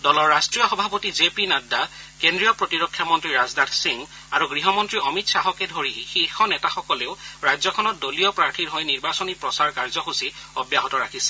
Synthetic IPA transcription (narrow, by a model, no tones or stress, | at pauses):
dɔlɔɹːastɹijɔxɔbʱapotizepinadakendɹijɔpɹotiɹɔkʰːjamɔntɹiɹazdadsiŋ | aɹuɡɹiɦɔmɔntɹiɔmitsaɦɔkɛdʱoɹixixɔnɛtaxɔkɔleʊɹajzɔkʰɔnɔt̚doliɔpɹaɹtʰiɹɦɔjniɹbasɔnipɹɔsaɹkaɹzɔxusiɔbjaɦɔtɔɹakʰisɛ̥